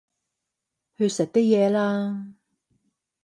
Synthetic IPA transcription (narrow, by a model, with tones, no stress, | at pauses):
hɵ˧sɐ˨t̚t̪ɪ˥k̚jɛː˨˧laː˥